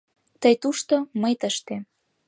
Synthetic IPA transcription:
t̪əjt̪uʃt̪oməjt̪əʃt̪e

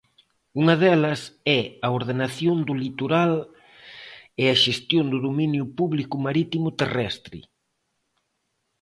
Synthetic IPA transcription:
uŋɐðɛlɐsɛɐoɾð̞enaθjond̪ʊlit̪oɾal | eɐʃest̪jond̪ʊðominjʊpuβlikʊmaɾit̪imʊt̪erɛst̪ɾɪ̰

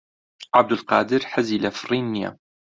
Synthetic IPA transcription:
ʕab̚d̪ɪlqɑːd̪ɪɾħaziːlafɾiːnja̰

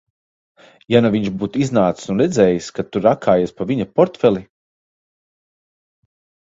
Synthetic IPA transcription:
januviɲʃbuːt̪iznaːt̪ssunɾɛd̪zʲɛːjiskat̪ːuɾakʰaːjaspaviɲapɔɾt̪fɛlˠi

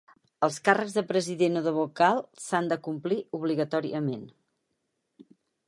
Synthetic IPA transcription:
əlˠskarəɡzðəpɾəziðenoðəβukalˠsand̪əkumpliuβliɣət̪ɔɾḭəmen

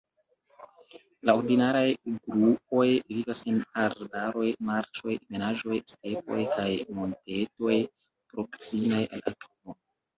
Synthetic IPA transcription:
lao̞ɾdinaɾajɡɾup̚o̞jvivasenaɾbaɾo̞jmaɾt͡ʃo̞jme̞naʒo̞jste̞po̞̰jkajmo̞nte̞to̞j | pɾo̞ksimaja̰lakivo

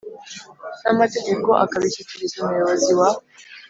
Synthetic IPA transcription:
namate̞ɡe̞ko̞ʔa̰kaβicuciɾizumujo̞βo̞ziwa

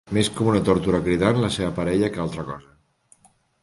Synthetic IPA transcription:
meskɔmunət̪oɾt̪uɾakɾiðanləseβəpaɾɛʎəkalˠt̪ɾəkɔzə

